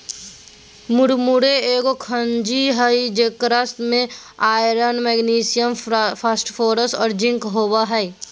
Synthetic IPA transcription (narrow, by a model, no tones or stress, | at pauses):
mʊɾmʊɾeeːɡokʰənd͡ʒiɦəid͡ʒeːkɾast̪mẽaːjɾənmɛɡniːsɪjəmpʰaːsʈfʰoːɾəsɔːɾd͡ʒɪ̃ŋkɦoːbaɦɛj